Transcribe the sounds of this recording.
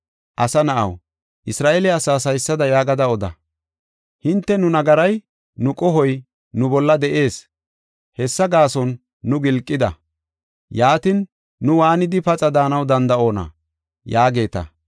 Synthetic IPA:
ʔɐsɐnɐʔɐ̰w | ʔɪsɾaːʔɛlɛɐsaːsɐjsːɐd̪ɐjaːɡɐd̪ɐɔd̪ɐ̰ | hɪnt̪ːɛnʊnɐɡɐɾɐj | nʊkʼɔɦɔj | nʊbɔlːɐd̪ɛʔe̞ːs | hɛsːɐɡaːsɔnː | ʊɡɪlkʼːɪd̪ɐ̰ | jaːt̪ɪnː | ʊwaːnɪd̪ɪpɐt͡sʼɐd̪aːnɐwd̪ɐnd̪ɐo̞ːnɐ̰ | jaːɡe̞ːt̪ɐ̰

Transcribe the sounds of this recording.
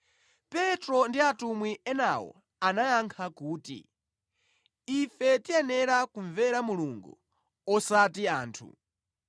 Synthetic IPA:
pɛtɾɔndiatumwiɛnawɔ̰ | anajaŋkʰakuːtḭ | ifɛtiɛnɛɾakuɱvɛɾamuluŋɡṵ | ɔsatiaːntʰṵ

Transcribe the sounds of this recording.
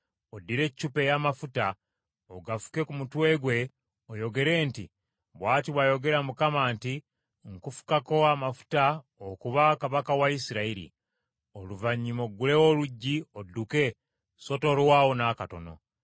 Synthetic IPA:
odːiɾe̞cːupe̞jamafuta | oɡafu̥ke̞kumutwe̞ːɡwe̞ | ojo̞ɡe̞ɾe̞ːnti | βwaːtiβwajo̞ɡe̞ɾamukamaːnti | ŋkufu̥kako̞amafu̥ta | okuβakaβakawaisiɾaiɾḭ | oluvaɲːimo̞ɡule̞wo̞luɟːiodːuke̞ | so̞to̞ːɾowaːwonaːkato̞̰no̞̰

